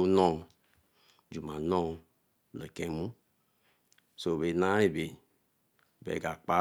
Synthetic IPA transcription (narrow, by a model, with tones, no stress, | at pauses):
u˦nɔ̃˦ | d͡ʒu˨mã˨nɔ̃˦ | le˨kɛ̃˨˦mũ˦ | so˨βe˨nã˦ɾi˦be˨ | bɛ̰˨ɡa˨k͡pa˦